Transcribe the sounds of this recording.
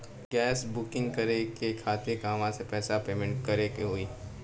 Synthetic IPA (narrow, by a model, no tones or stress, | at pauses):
ɡɛːsbʊkɪ̃ŋɡkɐɾekekʰaːt̪ɪɾkaɐʋãsepɛːsapeːmɛ̃ɳʈ̚kɐɾekeɦoiː